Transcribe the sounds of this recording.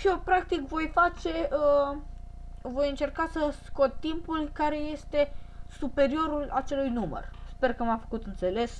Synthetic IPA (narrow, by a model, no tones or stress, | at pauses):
ʃiopɾak̚t̪ikvo̞jfat͡ʃe̞ʔə | vo̞jɨnt͡ʃe̞rkasəsko̞t̪̚ːimpulkaɾe̞je̞st̪e̞supe̞ɾio̞ɾula̰t͡ʃe̞lujnumə̰rspe̞rkəmamfə̥kut̪ɨnt̪se̞le̞s